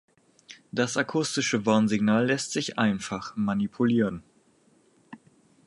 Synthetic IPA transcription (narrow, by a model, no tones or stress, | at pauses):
d̥asakʰʊstɪʃəvaɐnzɪɡnaːlːɛstz̥ɪçʔaɪnfaχmanipʰuliːʁən